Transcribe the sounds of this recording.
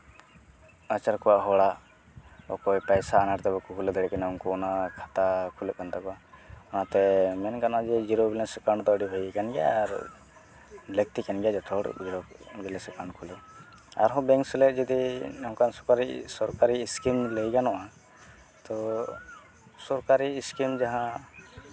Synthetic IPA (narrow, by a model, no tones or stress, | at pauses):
at͡ʃaɾkɔwaʔɦɔɽa | ɔkɔjpajsaːnaʈt̪ɛbɛkukʰulɛd̪ɛɽɛɛnaunkuɔnakʰḁt̪akʰuləʔ̚kant̪akɔaɔnat̪ɛmɛnkanɔad͡ʒɛd͡ʒiɾobilɛnsɛkaɳɖt̪ɔəɖibʱəjkanɡɛa̰ːɾ | lək̚t̪ikanɡɛjad͡ʒɛt̪ʰɔɽ̰d͡ʒiɾobilɛsɛkaɳɖkʰulɛ | aɾɦɔ̃bɛŋksɛlɛt̚d͡ʒɛd̪ihɔ̃kansɔkaɾisɔɾkaɾiːskinləjkanɔʔa | t̪ɔ | sɔɾkaɾiːskind͡ʒaɦã